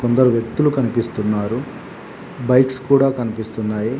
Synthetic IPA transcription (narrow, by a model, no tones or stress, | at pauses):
kond̪ɐɾuʋjekt̪ulukɐnipist̪unːaːɾu | bɐjkskuːɽaːkɐnipist̪unːaːji